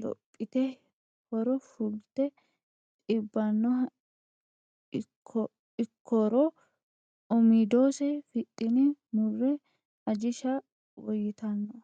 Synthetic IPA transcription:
lɔ̰pʼːɪt̪ɛ | fɔɾɔfʊlt̪ɛ | t̪ʼɪbːɐnːɔ | ɪkʰːɔɾɔ | ɔmid̪oːsɛfɪt̪ʼːɪnɪmʊrːɛ | ɐd͡ʒɪʃɐ | wɔjɪt̪ɐnːɔ

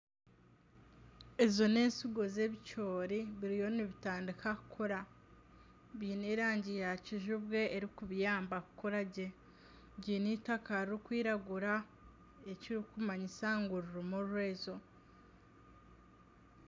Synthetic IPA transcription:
e̞zo̞ne̞ːnsiɡo̞ze̞βit͡ʃo̞ːɾiβiɾijo̞niβitaːndikakukʰoɾa | βiːniːɾaːɲɟijaciʒuβɡe̞ːɾikuβjaːmbakukoɾaɟe̞ | ɟiːnitakaɾiɾikwiːɾaɡuɾa | e̞ciɾikumaɲisaŋɡuɾuɾumuɾwe̞ːzo̞

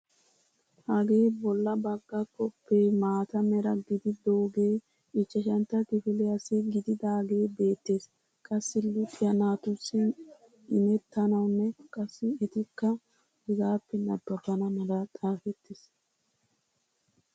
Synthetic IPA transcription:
hɐɡe̞ːbɔlːɐbɐɡːɐkʼːɔpːeːmaːt̪ɐmɛɾɐɡɪd̪ɪd̪oːɡeː | ɪt͡ʃːɐʃɐnt̪ːɐkɪfɪlɛɐsɪɡɪd̪ɪd̪aːɡe̞ːbe̞ːt̪ːe̞ːs | kʼɐsːɪlʊt̪ʼɪjɐnaːt̪ʊsːɪ | ɪmɛt̪ːɐnɐwnːɛkʼɐsːɪɛt̪ɪkːɐ | ɛzaːpːɛnɐbːɐfɐnɐmɐlɐt̪ʼaːfɛt̪ːɪs

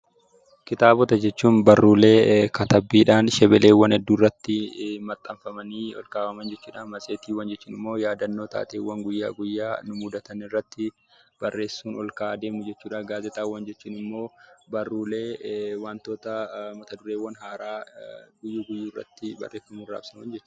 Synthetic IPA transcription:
kɪt̪aːbɔt̪ɐd͡ʒɛt͡ʃːuːnbɐrːuːle̞ːkɐt̪ɐbːiːᶑaːnʃɛbɛle̞ːwɐnɛd̪ːuːrːɐt̪ːɪmɐt̪ʼːɐɱfɐmɐniːɔ̰lkaːfɐmɐnd͡ʒɛt͡ʃːuːᶑanmɐseːt̪iːwɐnd͡ʒɛt͡ʃːuːnɪmːo̞ːjaːd̪ɐnːo̞ːt̪a̰ːt̪eːwɐŋɡʊjːa̰ːɡʊjːaːnʊmʊd̪ɐt̪ɐnɪrːɐt̪ːɪ | b̥ɐrːe̞ːsːuːnɔlkaːd̪e̞ːmʊd͡ʒɛt͡ʃːuːᶑaːɡaːzɛt̪aːwɐnd͡ʒɛt͡ʃːuːnɪmːo̞ːbɐrːuːle̞ːwaːnt̪oːt̪ɐmɐt̪ɐd̪ʊɾeːwɐnɦaːɾaːɡʊjːuːɡʊjːuːrːɐ̰t̪ːɪbɐ̰reːsɐmʊra̰ːbsɐnɐnd͡ʒɛt͡ʃːʊ̥

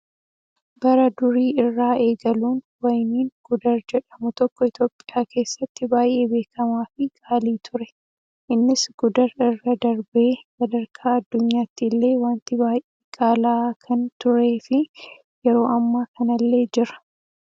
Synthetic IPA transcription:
bɐɾɐd̪ʊɾiːɪrːaːʔe̞ːɡɐluːnwɐjniːŋɡ̥ʊd̪ɐɾd͡ʒɛᶑɐmʊt̪ɔkːɔɪt̪o̞ːpʼɪjaːke̞ːsːɐt̪ːɪbaːjʔe̞ːbe̞ːkɐmaːfɪkʼaːliːt̪ʰʊɾɛ | ʔɪnːɪsɡ̥ʊd̪ɐɾɪrːɐd̪ɐɾbeːsɐd̪ɐɾkʰaːɐd̪ːʊɲːaːt̪ːɪlːe̞ːwaːnt̪ɪbaːjʔeːkʼaːlaːkʰɐnt̪ʊɾe̞ːfɪ | jɛɾo̞ːɐmːaːkɐnɐlːe̞ːd͡ʒɪɾɐ̥

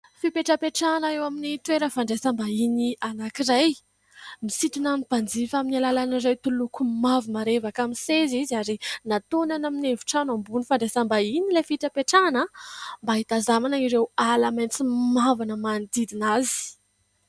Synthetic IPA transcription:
fipeʈ͡ʂapeʈ͡ʂanəewaminit̪weɾəfaɳɖ͡ʐesambainianakiɾaj | misit̪unamnipand͡zifaminalalanirajt̪ulukumavimaɾevakamiseziziaɾinat̪onanaminevu̥ʈ͡ʂanambunifaɳɖ͡ʐesambainilefiʈ͡ʂapeʈ͡ʂanəmbaɦit̪azamanaiɾewalamant͡simavanəmand̪id̪inazi̥

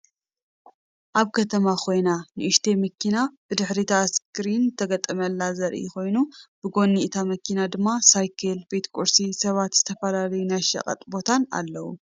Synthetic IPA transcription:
ʔaβkʰɐt̪ʰɐmakʰo̞jnanɨʔɨʃt̪ʰe̞mɐkːinab̥ɨd̪ɨħɾit̪ʰaskʰɾinɨt̪ʰɐɡɐt̪ʼːɐmɐlːazɐɾʔḭko̞jnubɨɡo̞nːiʔt̪ʰamɐkʰinad̪ɨmːasajkʰelbe̞t̪kʼuɾsisɐβat̪z̥ɨt̪ʰɐfɐlalɐjunajʃɐ̰kʼɐ̰t̪ʼbo̞t̪ʰana̰lːɐwṵ

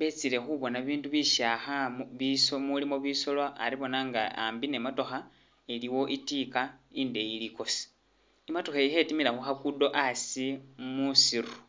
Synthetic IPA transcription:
βet͡sile̞xuβo̞naβiːnduβiʃaxaβisomulimo̞βiso̞lwaːɾiβo̞naŋɡaa̰mbine̞mato̞xa | iliwo̞ʔitikaindeiliko̞si̥ | imatoxeihetimilaxuxakudo̞ʔasimusiru̥

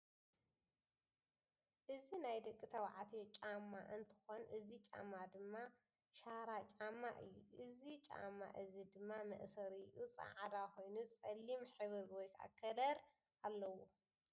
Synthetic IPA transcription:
ʔɨzinajd̪ɐkʼːit̪ʰɐwʕat̪ʰot͡ʃʼamːaʔɨnt̪ʰɨ̥xonʔɨzit͡ʃʼa̰mːad̪ɨmːa | ʃaɾat͡ʃʼamːaʔɨjːuʔɨzit͡ʃʼa̰mːa̰ʔɨzid̪ɨmːamɐ̰ʔsɐɾɨʔusʼɐ̰ʕad̪ako̞jnut͡sʼɐlːimħɨβɨɾwɔjkʰʔa̰kʰːɐlɐɾ | alːɐwo

